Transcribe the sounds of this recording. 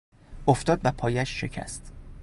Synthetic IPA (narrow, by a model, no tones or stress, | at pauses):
oft̪ɒːd̪væpʰɒːjæʃːe̞̰cʰæ̰st̪